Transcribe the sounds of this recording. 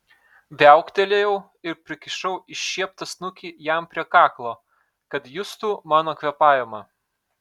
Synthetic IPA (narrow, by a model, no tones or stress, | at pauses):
ʋʲɛˑʊkt̪ʲɛlʲejɛʊ | ɪɾpʲɾʲɪkʲɪʃɐʊɪʃʲʃʲiɛpt̪ɐsnʊkʲijæˑmpʲɾʲiɛkɑːklˠoː | kɐt̪jʊst̪uːmɑːnoːkʋʲɛpɑːjɛmɐ